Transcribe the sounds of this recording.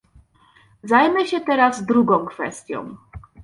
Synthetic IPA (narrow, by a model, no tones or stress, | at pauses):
zajmɘɕɛt̪ɛɾazd̪ɾuɡɔ̃w̃kfɛ̰st̪ʲjɔ̰̃w̃